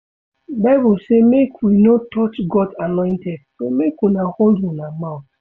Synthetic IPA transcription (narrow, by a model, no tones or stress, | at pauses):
babusemekʰwinotɔt͡ʃɡɔdanɔ̃ɪ̃ntɛd̥somekwunaholdũnamaʊθ